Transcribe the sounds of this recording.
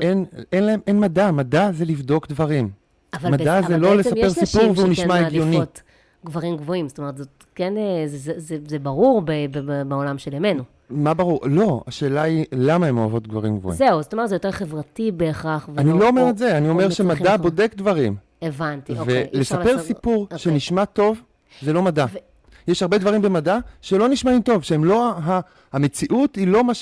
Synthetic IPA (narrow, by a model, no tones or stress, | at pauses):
ʔenenlae̞mʔenmadamadazelivdo̞kdvaʁim | avalmadazelolessape̞ʁsipuʁveuniʃmaeɡjonit | ɡvaʁimɡvo̞imzotomet̪zot̚ | kenezezezezebaʁuʁbebebeolamʃelemenu | mabaʁuʁlo̞aʃe̞ːlailamaemoavo̞tɡvaʁimɡvo̰ḭzeuzotometzejoteχevʁatibeːχaχvanilo̞omeʁetzeanio̞me̞ʁʃemaddabo̞de̞kdvaʁim | evantivellesape̞ʁsipuʁʃeniʃmato̞v | zelo̞madav | jeʃhaʁbedvaʁimbe̞madaʃelo̞niʃmaimto̞vʃeemloɦa | amet͡siʔutilo̞maʃ